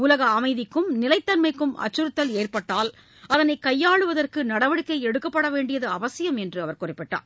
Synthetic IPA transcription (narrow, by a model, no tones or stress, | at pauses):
ʊlɐɣɐːmɐɪðɪkːɯmnɪlɐɪt̪ːɐnmɐɪkːɯmɐ̰t͡ʃːɯɾɯt̪ːɐleːrpɐʈːaːl | ɐðɐnɐɪkːɐjːaːɭɯʋɐðɐrkɯnɐɽɐʋɐɽɯkːɐɪɛɽɯkːɐpːɐɽɐʋeːɳɖɪjɐðɯɐʋɐsɪjɐmɛndrɯɐʋɐɾkʊrɪpːɪʈːa̰ːɾ